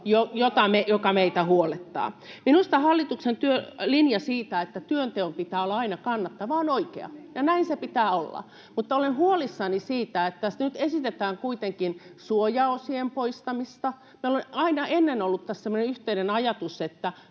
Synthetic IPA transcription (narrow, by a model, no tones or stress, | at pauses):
jojot̪ɑmejokɑmeit̪æhuolet̪ːɑ̰ːminust̪ɑhɑlːit̪uksent̪yølinjɑsiːt̪æet̪ːæt̪yønt̪eompit̪æːolːɑɑinɑkɑnːɑt̪ːɑʋɑːnoikḛɑ̰jɑnæinsepit̪æːolːɑ̰ | mut̪ːɑolenhuolisːɑnisiːt̪æet̪ːæsnyt̪esit̪et̪æːŋkuit̪eŋkinsuojɑosiempoist̪ɑmist̪ɑ | meolenɑinɑenːenolːut̪t̪æssemːoneyht̪einenɑjɑt̪uset̪ːæ